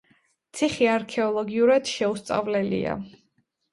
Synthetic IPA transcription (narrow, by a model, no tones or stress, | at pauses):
t̪sʰiχiaɾkʰɛɔlˠɔɡiuɾad̪ʃɛust̪sʼa̰vlɛlḭa̰